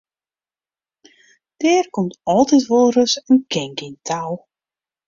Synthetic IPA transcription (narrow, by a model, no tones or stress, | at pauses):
d̥ɪːrkɔmtɔlˠtɛtʋolˠrøsənkɪŋkɪntʰaw